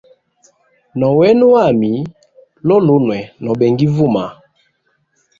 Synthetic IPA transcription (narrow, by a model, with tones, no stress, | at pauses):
nɔ˨wɛ˦nu˦a˦˨mi˨˦ | lɔ˦lo˦nwɛ˨nɔ˨bɛ˨ŋɡi˦vu˦˨ma˨